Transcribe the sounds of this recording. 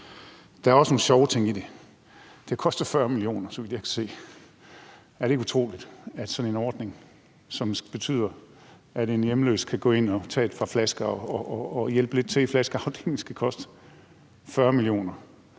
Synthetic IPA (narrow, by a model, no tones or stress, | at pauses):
d̥æ̈æɐɒ̽sno̝ːn̩ɕɒʊt͡sʰe̝ŋ̰id̥e̝ | d̥e̝kʰɒ̽sd̥ɐfɶɐmilio̝̰ːnɐsɒʋid̥jɑ̈kʰæ̥se̝̰ː | æɐɾeɡut͡sʰʁo̝̰ːlid̥æd̥sɒ̽nenɒːd̥ne̝ŋ | sɒ̽mb̥e̝t͡sʰy̰ːð̰ˠɐ | æd̥enjeməlø̰ːskʰæɡ̥ɔ̰̽ːe̝n̰ɒt͡sʰɛ̰ːed̥fʁɑ̈flæsɡ̥ɐɒɒːjel̰b̥əle̝d̥̚t͡sʰe̝iflæsɡ̥ɐɑ̈ʊd̥eeŋl̩sɡ̥ækʰɒ̽sd̥ə | fɶɐmilio̝̰ːnɐ